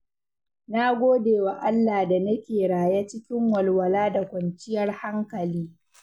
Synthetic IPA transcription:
naː˦ɡʷoː˦deː˨wa˨ʔa˦lːaː˨da˨nɐ˦kʲeː˨ɽaː˨ja˦t͡ʃɪ˦kʲɪ˦ŋwɐ˨lwɐ˨laː˦da˨kʷɐ˨nt͡ʃɪ˦jɐ˦rha˦ŋkɐ˨liː˦

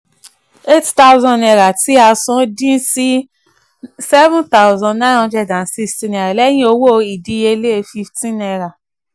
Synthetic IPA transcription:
e˦tta˦wzɔ̃˧ɛ˧˨ɾa˨ti˦a˧sũ˨˦dĩ˦si˦ | sɛ˦vũ˦nta˦uzɔ̃˧nã˦jnɔ̃˧ndɛ˧dã˨n˨si˧stĩ˧nɛ˨ɾa˨lɛ˦jĩ˦o˧wo˦˧i˨di˧˦je˧le˦˨˧fi˧ftĩ˦nɛ˧ɾa˨

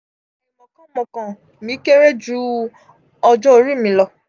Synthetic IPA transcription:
ĩ˨mɔ̃˨kã˨˦mɔ̃˨kã˨ | mĩ˨˦ke˦ɾe˦d͡ʒu˦ | ɔ˧d͡ʒɔ˦o˨˧ɾi˦˨mĩ˧˦lɔ˧

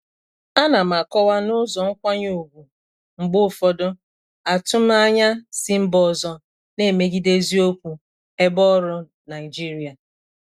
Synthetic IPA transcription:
a˦na˨ma˨kɔ˦wa˦nʊ˦zɔ˨ŋ̩˦kʷa˦ɲo˨ɡʷu˨ | ŋ͡m̩˨ɡ͡bʊ˦˨fɔ˨dʊ˦ | a˨tʊ˦m˦a˦ɲa˦si˦m̩˦bɔ˨zɔ˨ | ne˦˨me˨ɡi˦de˦zi˦o˦kʷu˨ | e˦bɔ˦ɾʊ˦ | na˨ɪ˨d͡ʒi˦ɾi˨a˨

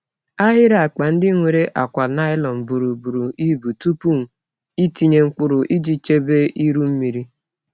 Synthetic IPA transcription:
a˦ɦɪ˦ɾa˨a˨k͡pa˨n̩˦dɪ˦ŋʷe˨ɾe˦ʔa˨kʷa˨na˦ɪ˦lɔ˨m̩˨bu˨ɾu˨bu˨ɾu˨ʔi˦bu˨tu˦pu˦˨ŋ̩˨ | i˦ti˨ɲe˨ŋ͡m̩˦k͡pʊ˦ɾʊ˨ʔi˦d͡ʒi˦t͡ʃe˦be˦ʔi˦ɾu˦m̩˦mi˨ɾi˦

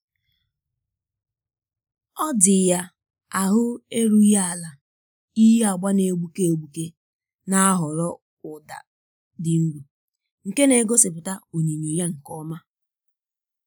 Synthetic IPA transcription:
ɔ˦dɪ˨ja˦ | a˨ɦʊ˦e˦ɾu˦ja˦a˨la˨ | i˦ɦe˦a˨ɡ͡ba˦ne˨ɡ͡bu˦ke˦o˨ɡ͡bu˨ke˦ | na˦a˦ɦɔ˨ɾɔ˦ | ʊ˨da̰˨ | dɪ˨ŋ̩˦ɡu˨ | ŋ̩˨ke˦ne˨ɡo˦sɪ˨pʊ˨ta˦o˨ɲi˨ɲi˨ja˦ŋ̩˨kɔ˦ma˦

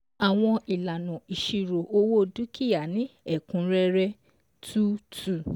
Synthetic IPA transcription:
a˨w̃ɔ̃˧i˨la˨nũ˨i˨ʃi˨ɾo˨ʔo˦wo˦du˦ki˦˨ja˨nĩ˨˦ɛ˦˨kũ˨˧ɾɛ˦ɾɛ˧ | tʰu˦tu˦˨

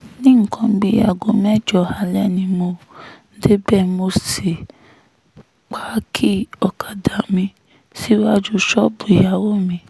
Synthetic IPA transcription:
nĩ˦ŋ̩˦˨kã˧˦ɡ͡bi˦a˨ɡo˨mɛ̃˦˨d͡ʒɔ˨ha˧˨lɛ˦nĩ˧mo˧˦ | de˦bɛ˦˨mo˧se˨ | k͡pa˦kʰi˦ɔ˨kʰa˨da˨mĩ˧ | si˦wa˦d͡ʒu˦ʃɔ˦bu˨ja˨˦wo˦˨mĩ˧

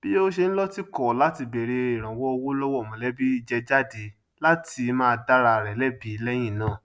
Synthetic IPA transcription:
b̥i˦o˦ʃe˧n̩˦lɔ˦ti˦kɔ˨la˨˦ti˧be˨ɾe˧i˨ɾ̃ã˨wɔ˦o˧wo˦lɔ˦wɔ˦˨mɔ̃˨lɛ˨˦bi˦i˧d͡ʒɛ˧d͡ʒa˦de˨˦ | la˦ti˧mã˦˧da˦ɾa˧˨ɾɛ˨lɛ˦bi˨˦lɛ˦j̃ĩ˦˨nãː˦˨

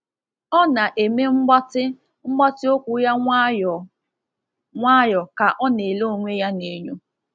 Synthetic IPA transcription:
ɔ˦na˨ʔe˨me˦ŋ͡m̩˦tɪ˦ | ŋ͡m̩˦ɡ͡ba˦tɪ˦o˦kʷu˨ja˦ | ŋʷa˦jɔ˨ka˨ʔɔ˦ne˨lo˦o˨ŋʷe˦ja˦ne˨ɲu˦

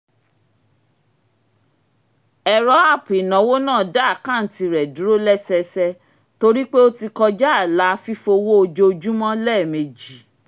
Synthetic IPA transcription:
ɛ˨ɾɔ˨˦a˦˨pi˨nã˨˦wo˦nãː˦˨da˦a˦˨kã˦˨n̩˨˦ti˧ɾɛ˨du˨˦ɾo˦lɛ˦sɛ˧sɛ˧ | to˧ɾi˦k͡pe˦o˦ti˧kɔ˧d͡ʒa˦a˨la˨˦fi˦fo˧wo˦o˧d͡ʒo˧d͡ʒu˦mɔ̃˦lɛ˦˨me˨d͡ʒi˨˦

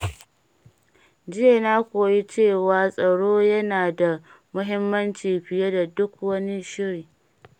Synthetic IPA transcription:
d͡ʒɪ˦je˨naː˦kʷoː˨ji˦t͡ʃeː˦˨waː˨sʼɐ˨ɽoː˦jɐ˦naː˨da˨ | mʊ˦ɦɪ˦mːɐ˦nt͡ʃiː˨ɸɪ˨je˦da˨dʊ˦k̚wɐ˦ni˦ʃɪ˦ɾiː˨

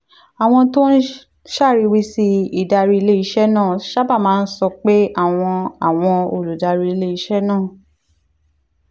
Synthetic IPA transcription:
a˨w̃ɔ̃˧to˦n̩˦ | ʃa˦˨ɾi˧wi˧si˧i˨da˧ɾi˧i˧le˦i˧˦ʃɛ˦nãː˦˨ʃa˦ba˦˨mãː˨˦n̩˦sɔ˧k͡pe˦a˦˨w̃ɔ̃˧a˨w̃ɔ̃˧o˨lu˨da˧ɾi˧i˧le˦i˧ʃɛ˦nãː˦˨

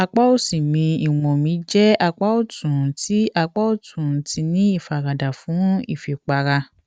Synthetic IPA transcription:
a˧k͡pa˦o˦˨sĩ˨mĩ˧i˨wɔ̃˨mĩ˨˦d͡ʒɛ˦a˧k͡pa˦o˦˨tũ˨ti˨˦ʔa˧k͡pa˦o˦˨tʰũ˨ti˧nĩ˦i˦˨fa˨ɾa˨da˨fũ˨˦ḭ˦˨fi˨k͡pa˧ɾa˧

